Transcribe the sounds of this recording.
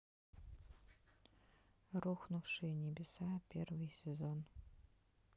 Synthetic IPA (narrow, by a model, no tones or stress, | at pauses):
ruxʷnufʂɨnʲebʲɪsapʰervɨjsezon